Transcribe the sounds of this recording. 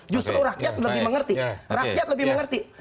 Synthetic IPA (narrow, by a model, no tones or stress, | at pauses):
d͡ʒust̪ɾuɾakjat̪̚ləbɪhməŋərt̪irakijat̪̚ləbɪhməŋərt̪i